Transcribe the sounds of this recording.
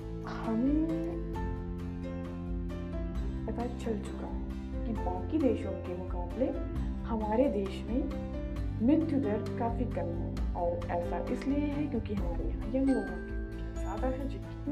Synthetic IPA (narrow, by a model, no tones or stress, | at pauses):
hɐme | pɐt̪at͡ʃɐlt͡ʃʊ̥kaɦɛ | kibãːkid̪eːʃõkemʊkaːble | hɐmaːɾed̪eːʃmẽ | mɾɪt̪ʰjʊd̪ɐɾkaːfikɐmɦo̰ɔːɾɛːsaʔɪslieɦɛkjõːkiɦɐmaːɾeɦɐjɐnloːɡõkemʊkesaːd̪aɦɛd͡ʒɪ